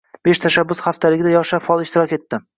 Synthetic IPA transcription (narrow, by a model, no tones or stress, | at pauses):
b̥eʃt̪ʰaʃabːʊsχaft̪ʰalɪɡʲɪd̪ajɒχʃafɒlˠɪʃt̪ɪɾɒkʲe̞t̪ːɪ